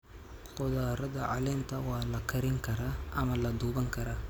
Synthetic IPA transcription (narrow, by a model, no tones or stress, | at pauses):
qʊðaːɾɐðɐʕɑlɛnt̪ʰɐwɑːlɐkʰɐɾɪŋkʰɐɾaːʔɐmɐlɐd̪uːβɐŋkʰɐɾaː